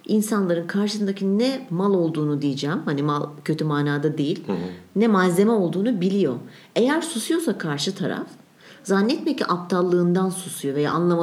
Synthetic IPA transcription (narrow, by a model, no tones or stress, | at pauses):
insanlˠaɾɯnkʰaɾʃɯ̥sɯnd̪acʰinːɛmalˠo̞lˠd̪uːnud̪ijed͡ʒɛːmhanimalˠcʰø̞t̪ʰymaːnaːd̪ad̪ejilʲnɛmaze̞mɛo̞lˠd̪uːnubilʲijo̞ | e̞jæɾsusujo̞sakʰaɾʃɯt̪ʰaɾa̰f | zanːɛt̪meciʔap̚t̪ʰalˠːɯːnd̪ansusujo̞ve̞ja̰ːnlˠama